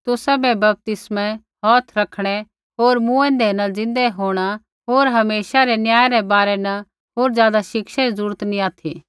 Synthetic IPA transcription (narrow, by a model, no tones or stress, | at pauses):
t̪ʊsabɛbɐp̚t̪ɪsmɛ̃ | ɦɔːt̪ʰɾɐkʰɽ̃ɛ | ɦoːɾmũɛ̃ːnd̪ɛnɐd͡zɪ̃nd̪ɛɦoːɽ̃a | ɦoːɾɦɐmeːʃaɾɛnjaːjaɾɛbaːɾɛnɐ | ɦoːɾzjaːd̪aʃɪkʃaizuːɾət̪nĩaːt̪ʰiː